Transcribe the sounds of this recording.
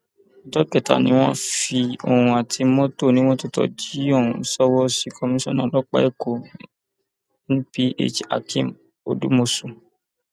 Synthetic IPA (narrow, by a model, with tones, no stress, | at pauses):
tɔ˦kɛ˦˨ta̰˨nĩ˦w̃ɔ̃˦fi˧o˨hũ˧a˨tʰi˧mõ˦to˦˨nĩ˨˦w̃ɔ̃˦to˦tɔ̰˨d͡ʒi˨˦o˦˨ũ˨sɔ˦wɔ˦si˦kʰɔ˧mĩ˦sɔ̰̃˦˨nã˨˦lɔ˦k͡pa̰˦e˦ko˨ | n˦ĩ˦pi˦ḛ˦˨t͡ʃa̰˨kʰĩ˦˨m | o̰˨du˦mo˧so˨